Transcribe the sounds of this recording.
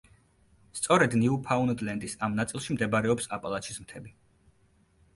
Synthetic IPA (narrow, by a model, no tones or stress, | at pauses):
st̪sʼɔɾɛd̪niupʰaund̪lɛnd̪isamnat̪sʼilˠʃimd̪ɛbaɾɛɔpsapʼalˠat̪ʃʰizmt̪ʰɛbi